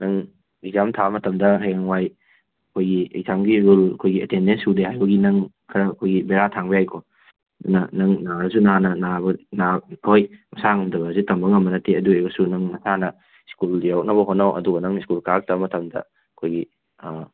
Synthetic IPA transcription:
nɐŋ | izamtʰamɐtɐmdɐɦeŋwaj | ɐkʰojɡiḛzamɡiɾulɐkʰojɡiɐtendensudeɦajbɐɡinɐŋ | kʰɐɾɐːkʰojɡibeɾatʰaŋbijajkʰo | ɐdunɐnɐŋnaɾɐsunanɐnabɐnaojmɐsaŋɐmdɐβɐzitɐmbɐŋɐmːɐnɐteɐdueɡɐsunɐŋnɐsanɐ | skuldijawk̚nɐβɐɦonːawʔɐ̰duɡɐnɐŋiskulkak̚tabɐmɐtɐmdɐ̰ | ɐkʰojɡi

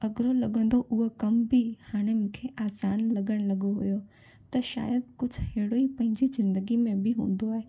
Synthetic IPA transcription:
ɐɡɾolɐɠə̃nd̪oʔʊɦokɐmbihaːɽ̃emʊ̃kʰeʔaːsaːnlɐɠəɽ̃lɐɠoɦṵjo | t̪ɐʃa̰ːjəd̪̚kʊd͡ʑʱʊheːɪɽoipɐ̃ɦɪ̃ɲd͡ʑizɪ̃nd̪əɡimẽbɪɦũːn̆d̪oaːɦeː

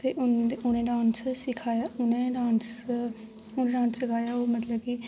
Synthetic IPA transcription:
t̪eːʔʊnʊnẽːɖãːnssɪkʰaːjaːʊnẽːɖãːns | ʊneːɖãːnssɪkʰaːjaːoːmət̪ləb̚ki

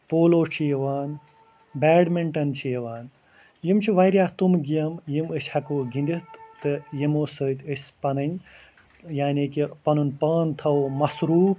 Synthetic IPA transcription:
poːloːt͡ʃʰijɐʋaːn | baːɖmeɳʈɐnt͡ʃʰijɐʋaːn | jimt͡ʃʰiʋɐjɾjaːht̪umɡiɐmjimɨsʲhɐkoːɡinʲd̪it̪t̪ɨjimoːsəːt̪ʲɨsʲpɐnɐnʲ | jaːniːkipɐnunpaːnt̪ʰɐwmɐsɾuːp

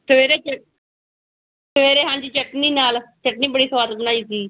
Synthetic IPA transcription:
t̪eɾet͡ʃə | t̪ʋeɾeɦãɲd͡ʑiːt͡ʃəʈniːnaːlt͡ʃəʈniːbəɽiːsʋaːɾt̪bənaːiːtiː

